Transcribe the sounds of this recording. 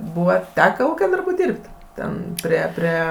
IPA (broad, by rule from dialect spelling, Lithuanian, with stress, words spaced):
ˈbuːʋɐ ˈtʲæːkɐ ˈuːkʲɛ ˈdɐrbʊ ˈdʲiːrʲpʲtʲ ˈtʲɛn pʲrʲiɛ ˈpʲrʲiɛ